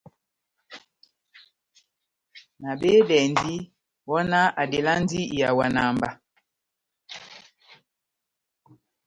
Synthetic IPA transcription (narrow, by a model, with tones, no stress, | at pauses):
na˨be˦dɛ˨ndi˦ | wɔ˦na˦a˨de˨la˦n˦di˦˨ja˨wa˨na˨mba˦